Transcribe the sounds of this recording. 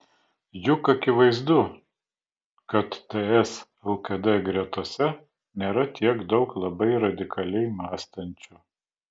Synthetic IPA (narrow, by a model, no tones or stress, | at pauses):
jʊkɐkʲɪʋɐɪzd̪ʊ | kɐt̪ːɛɛs | ɛlˠkɐd̪ɛɡɾʲɛt̪uɔsʲɛ | nʲeːɾɐt̪ʲiɛɡd̪ɒʊklˠɐbɐɪɾɐd̪ʲɪkʰɐlʲɛɪmɑːst̪ɐnʲt͡ʃʲʊ